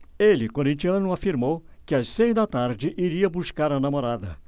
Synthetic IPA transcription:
elɪkoɾĩnt͡ʃiɐ̃nʊafiɾmow | kɪassejzd̪ɐt̪aɾd͡ʒɪʔiɾiɐbuskaɾɐnamoɾad̪ɐ̰

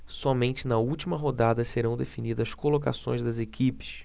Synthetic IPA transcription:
sɔmẽnt͡ʃɪnɐuwt͡ʃimɐɦod̪ad̪ɐseɾɐ̃w̃d̪efinid̪ɐskoloka̰sõj̃zd̪ɐzekʲipɪ̥s

